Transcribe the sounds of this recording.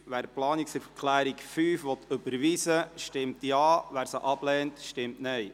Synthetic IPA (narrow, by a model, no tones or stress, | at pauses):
ʋæːɾplɑːniksəɾfəkʰlæːɾikfyːfʋɔt̪ɵbəɾʋisəʃtɪmtjɑːʋæːɾsəʔɑb̥lɛːntʃtɪmtnɛj